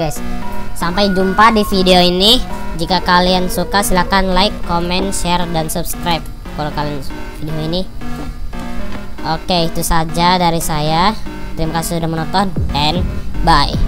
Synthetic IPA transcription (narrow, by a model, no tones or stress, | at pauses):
assampajd͡ʒumpadifideoinid͡ʒikakaliansukasilakanlaɪkːomɛnʃɛrdansup̚skɾajp̚ | kalakalianfideoini | ʔokeit̪usad͡ʒadaɾisajat̪əɾimakasɪsudahmənɔt̪ɔnɛnbaj